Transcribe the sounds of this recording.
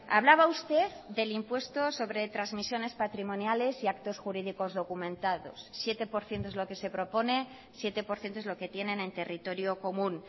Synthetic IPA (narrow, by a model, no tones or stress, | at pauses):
a̰β̞laβ̞aust̪e̞ððe̞limpwe̞st̪o̞so̞β̞ɾe̞t̪ɾazmisjo̞ne̞spat̪ɾimõ̞njale̞siakt̪o̞sxuɾiðiko̞zðo̞kumẽ̞nt̪aðo̞̰sːje̞t̪e̞po̞ɾθjent̪oezlo̞ke̞se̞pɾo̞po̞ne̞ | sje̞t̪e̞po̞ɾθjent̪oezlo̞ke̞t̪je̞nẽ̞ne̞nt̪e̞rit̪o̞ɾjo̞ko̞mũn